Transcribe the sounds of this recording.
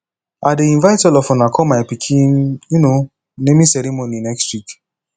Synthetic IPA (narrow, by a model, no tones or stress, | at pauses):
adeĩnvajtɔlɔfɔ̃nakʰɔmajpikʰĩnjuno | nemĩsɛɾimoninɛkstwik